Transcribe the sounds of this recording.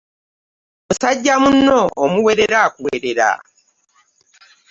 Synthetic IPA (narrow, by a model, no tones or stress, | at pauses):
musaɟːamunːoːmuweɾe̞ɾakuweɾeɾa̰